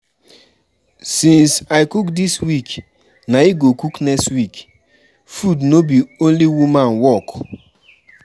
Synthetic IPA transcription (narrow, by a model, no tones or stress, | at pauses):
sĩnsajkukdiswik | naiɡokuknɛkstwik | fudnobiõnliwumãnwɔk